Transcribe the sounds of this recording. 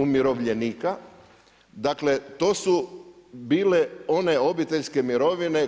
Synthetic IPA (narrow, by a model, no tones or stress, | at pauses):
umjiɾo̞ʋʎeniːka | d̪akle̞t̪o̞ːsu | biːle̞o̞ne̞o̞bit̪e̞ʎʲske̞miɾo̞ʋine̞